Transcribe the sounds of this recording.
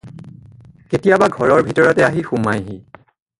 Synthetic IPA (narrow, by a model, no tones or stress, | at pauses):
ketijabaɡʱɔɹɔɹbʱitɔɹɔtɛaɦixumajɦi